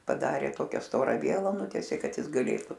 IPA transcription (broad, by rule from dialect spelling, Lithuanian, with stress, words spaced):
pɐˈdɑːrʲeː ˈtoːkʲɛ ˈstoːrɐ ˈʋʲiɛlˠɐ ˈnʊtʲiɛsʲeː ˈkɐt ˈjɪs ɡɐˈlʲeːtʊ